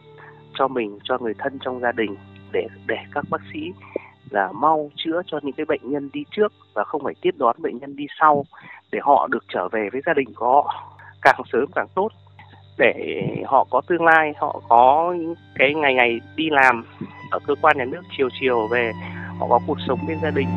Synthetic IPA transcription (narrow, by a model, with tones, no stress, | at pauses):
t͡ɕɔ˧mï˨˩ŋ̟t͡ɕɔ˧ŋɨ˨˩əjt̪ʰə˧nt͡ɕɔ˧wŋ͡mzaː˧ɗï˨˩ŋ̟ɗe˧˩ɗe˧˩kaː˦˥k̚ɓaː˦˥k̚sḭ˧˥laː˨˩ma˧wt͡ɕɨ̰˧˥ət͡ɕɔ˧ɲɨ̰˧˥ŋkaː˨˦jɓə̰˧˨jŋ̟ɲə˧nɗi˧t͡ɕɨ˦˥ək̚vaː˨˩xə˧wŋ͡mfaː˧˩jt̪i˦˥ət̚ɗwa˨˦nɓə̰˧˨ŋ̟ɲə˧nɗi˧sa˧wɗe˧˩hɔ̰˧˨ɗɨ˨˩ək̚t͡ɕəː˧˩ve˨˩vəː˨˦jzaː˧ɗï˨˩ŋ̟kɔ˨˩hɔ̰˧˨kaː˨˩ŋsəː˨˦mkaː˧˨˩ŋt̪o˦˥t̚ | ɗe˧˩hɔ̰˧˨kɔ˨˦t̪ɨ˧əŋlaː˧jhɔ̰˧˨kɔ˨˦ɲɨ̰˥ŋkaː˨˦jŋa˨˩jŋa˨˩jɗi˧laː˨˩mʔəː˧˩kəː˧kwaː˧nɲaː˨˩nɨ˦˥ək̚t͡ɕi˨˩əwt͡ɕi˨˩əwve˨˩hɔ̰˧˨kɔ˨˦ku˨˩ək̚sə˨˦wŋ͡mɲe˧nzaː˧ɗï˨˩ŋ̟